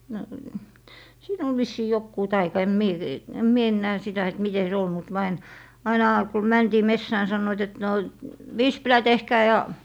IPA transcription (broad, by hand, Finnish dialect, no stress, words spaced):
no siːn ol ʋisːiː jokːuː tɑikɑ em mie em mie enːæː sitæ et mite se ol mut myø ɑin ɑinɑˑ ku mæntiː mesːæː ni sɑnːoit et no ʋispilæ tehːæː jɑ